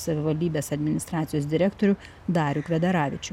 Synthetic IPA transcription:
sɐʋʲɪʋɐlʲd̪ʲiːbʲeːsɐd̪ʲmʲɪnʲɪst̪ɾɑːt̪sʲɪjoːsd̪ʲɪɾʲɛkt̪oɾʲʊ | d̪ɑːɾʲʊkʋʲɛd̪ɐɾɑːʋʲɪt͡ʃʲʊ

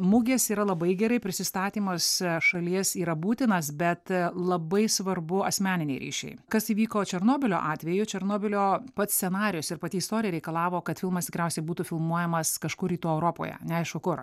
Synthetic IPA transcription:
mʊɡʲeːsiːɾɐlˠɐbɐɪɡʲɛɾɐɪpʲɾʲɪsʲɪst̪ɑːt̪ʲiːmɐsʃɐlʲiɛsiːɾɐbuːt̪ʲɪnɐsbʲɛt̪lˠɐbɐɪsʋɐɾbʊɐsʲmʲæːnʲɪnʲɛɪɾʲḭːʃʲɛ̰ɪkɐsiːʋʲiːkoːt͡ʃʲɛɾnoːbʲɪlʲo̰ːʔɑːt̪ʲʋʲɛjʊt͡ʃʲɛɾnoːbʲɪlʲoːpɐt̪sʲt͡s̪ʲsʲɛnɑːɾʲɪjʊsɪɾpɐt̪ʲiːɪst̪oːɾʲɪjɛɾʲɛɪkɐlˠɑːʋoːkɐt̪fʲɪlˠmɐst̪ʲɪkɾʲɛʊsʲɛɪbuːt̪ʊfʲɪlˠmuɔjɛmɐskɐʃkʊɾiːt̪uːɛʊɾoːpo̰ːjɛ̰nʲɛɐɪʃkʊkʊr

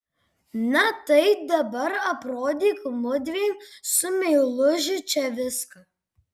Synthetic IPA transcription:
nɐt̪ɐɪd̪ɐbɐɾɐpɾoːd̪ʲikmʊd̪ʲʋʲeːnsʊmʲɛlˠʊʒɪt͡ʃʲɛʋʲɪskɐ

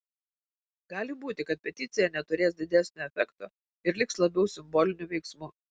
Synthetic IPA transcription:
ɡɑːlʲɪbuːt̪ʲɪkɐt̪̚pʲɛt̪ʲɪt̪sʲɪjɛnʲɛt̪ʊɾʲeːsd̪ʲɪd̪ʲæsʲnʲoːɛfʲɛkt̪oː | ɪɾlʲɪkslˠɐbʲɛʊsʲɪmboːlʲɪnʲʊʋʲɛɪksmuː

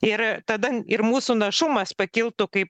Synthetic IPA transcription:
ɪɾt̪ɐd̪ɐɪɾmuːsunɐʃʊmɐspɐkʲɪlˠt̪ʊkɐɪp

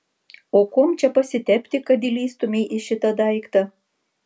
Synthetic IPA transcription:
okomt͡ʃʲɛpɐsʲɪt̪ʲɛpʲt̪ʲɪkɐd̪ilʲiːst̪omʲeʔiʃʲɪt̪ɐd̪ɑɪkt̪ɑ

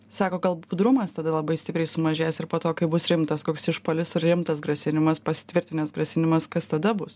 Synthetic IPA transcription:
sɑːkoːɡɐlˠbʊd̪ɾʊmɐst̪ɐd̪ɐlˠɐbɐɪsʲt̪ʲɪpɾʲɛɪsʊmɐʒʲeːsɪɾpoːt̪oːkɐɪbʊsɾʲɪmt̪ɐskoːksɪʃpoːlʲɪsɪɾɾʲɪmt̪ɐsɡɾɐsʲɪnʲɪmɐspɐsʲɪ̥t̪ʲʋʲɪɾʲt̪ʲɪnʲɛsɡɾɐsʲɪnʲɪmɐskɐst̪ɐd̪ɐbʊs

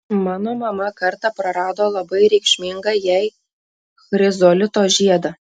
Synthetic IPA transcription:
mɑːnomɑmɐkɐrt̪ɐprɐɾɑːd̪olˠɐbɐjɾʲɛɪkʃʲmʲiŋɡɑjɛj | xɾʲɪzolʲɪt̪oʒʲiɛd̪ɐ

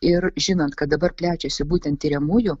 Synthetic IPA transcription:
ɪɾʒʲɪnoːnt̪kɐt̪̚d̪ɐbɐɾpʲlʲæːt͡ʃʲɛsʲɪbuːt̪ʲɛnt̪t̪ʲiːɾʲɛmʊjʊ

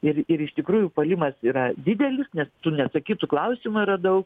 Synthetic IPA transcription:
ɪrɪɾɪʃt̪ʲɪkɾuːjʊpɐlʲɪmɐsiːɾɐd̪ʲɪd̪ʲɛlʲɪsnʲɛst̪ʊnʲɛt̪sɐkʲiːt̪ʊklˠɐʊsʲɪmʊiɾɐd̪ɐʊk

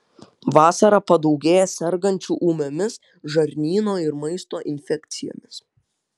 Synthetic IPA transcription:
ʋɑːsɐɾɐpɐd̪ɒʊɡʲeːjɛsʲɛɾɡɐnʲt͡ʃʲuːʔuːmʲomʲɪs | ʒɐɾʲnʲiːnoːɪɾmɐɪst̪oːʔɪnʲfʲɛkʲt̪sʲɪjo̰ːmʲɪs

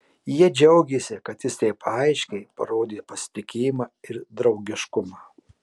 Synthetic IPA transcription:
jiɛd͡ʒʲɛʊɡʲeːsʲɪkɐt̪jɪst̪ʲɛɪpɐɐɪʃʲkʲɛɪpɐ̰ɾoːd̪ʲeːpɐsʲɪ̥t̪ʲɪkʲeːjɪmɑːɪɾd̪ɾɒʊɡʲɪʃkʊmɑː

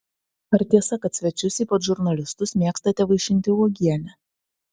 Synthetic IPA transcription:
ɐɾt̪ʲiɛsɐkɐt̪sʲʋʲɛt͡ʃʲʊsʲiːpɐt̪ʒʊɾnɐlʲɪst̪ʊsmʲiɛkst̪ɐt̪ʲɛʋɐɪʃʲɪnʲt̪ʲɪɔːɡʲiɛnʲɛ

